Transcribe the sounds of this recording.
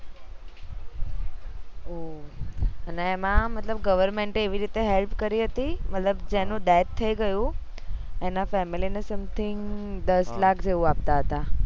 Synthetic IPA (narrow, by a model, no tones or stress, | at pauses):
o | əneːmãmət̪ləbɡəʋəɾmeɳʈeʋiɾit̪eɦelpkəɾiɦət̪imət̪ləbd͡ʒenũd̪ɛtt̪ʰːəiɡəjũ | enafɛmilinesəmt̪ʰɪŋɡd̪əslakʰd͡ʒeʋũapt̪aɦət̪a